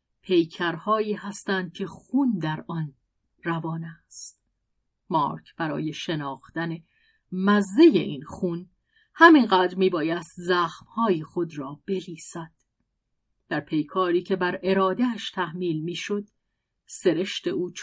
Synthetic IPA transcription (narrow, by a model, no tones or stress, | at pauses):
pʰe̞jcʰæɾhɒːiːhæst̪ænd̪̚cʲʰe̞xuːnd̪æɾɒn | rævɒːnæst̪̚ | mɒ̰ːɾkʰb̥æɾɒ̰ːje̞ʃe̞nɒːxt̪æne̞ | mæzːeje̞̰ʔiːnxun | hæminɢæːd̪ɾmiːbɒːjæst̪zæːxmhɒːjixo̞d̪ɾɒːb̥e̞liːsæd̪̥ | d̪̥æɾpʰe̞jkʰɒːɾiːcʰe̞bæɾʔe̞ɾɒːd̪eæʃt̪ʰæhmiːlmiːʃo̞d̪̥ | se̞ɾe̞ʃt̪e̞uːt͡ʃ